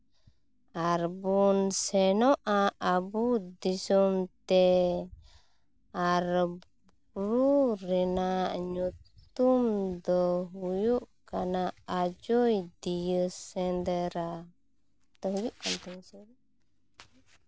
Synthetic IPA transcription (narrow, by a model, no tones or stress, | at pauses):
aɾbunsɛnɔʔaːbud̪isɔmt̪ɛ | aɾ | ɾuɾɛnaʔɲut̪umd̪ɔɦujuʔkanaːd͡ʒɔjd̪ijəsɛnd̪ɛɾa | t̪ɔɦujuʔkant̪unsɛ